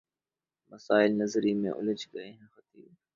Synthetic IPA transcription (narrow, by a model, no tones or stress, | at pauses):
mɐsaːɪlnɐzɾimḛ̃ʔʊ̰ləd͡ʒɡɐeɦɛ̃xɐt̪iːb